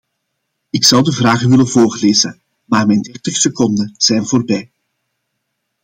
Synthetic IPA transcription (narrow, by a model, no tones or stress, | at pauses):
ɪksɑwdəvraːɣəʋɪlənvoːrleːzə̰ | maːrmɛjndɛrtəxsəkɔndəz̥ɛjnvoːrbɛj